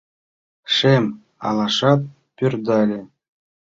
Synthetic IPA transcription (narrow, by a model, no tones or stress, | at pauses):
ʂem | ɑ̰lˠɑʂɑp̚ːʲ | yrd̪ɑlʲĕ